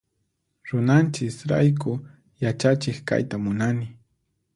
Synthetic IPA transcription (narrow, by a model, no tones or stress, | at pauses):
ɾʊnant͡ʃɪsɾa̰jkʊ | jat͡ʃat͡ʃɪkka̰jt̪amʊnanɪ